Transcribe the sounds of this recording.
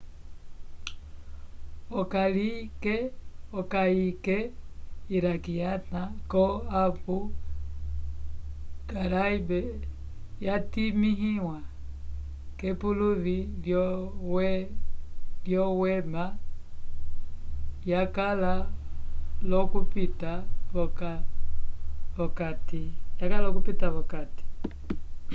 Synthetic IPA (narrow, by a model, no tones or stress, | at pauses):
ɔkalikɛɔkaikɛiɾakijatakɔapu | ɡaɾaibɛ | jatimiɦiwa | kɛpuluðiljɔwɛ | ljɔwɛma | jakala | lɔkupitaβɔka | βɔkatijakallɔk̬upitaβɔkati̥